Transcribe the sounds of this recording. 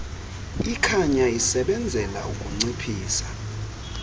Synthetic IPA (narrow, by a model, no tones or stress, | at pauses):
ikʰaɲaisɛɓɛnd͡zʱɛlaukʼuŋ͡ǀipʰiːsḁ